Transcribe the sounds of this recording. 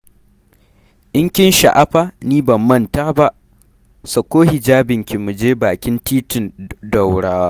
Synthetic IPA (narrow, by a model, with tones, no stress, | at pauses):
ʔɪ˦ŋkʲɪ˦nʃa̰˨ʔa˦ɸa˦niː˦bɐ˨mːɐ˦˨ntaː˦ba˦ʔ | sɐ˨kʷoː˦hi˨d͡ʒaː˦bɪ˨ŋkʲi˨mu˨d͡ʒeː˦baː˨kʲɪ˦ntiː˦tɪ˨ndɐ˨wɽaː˦waː˦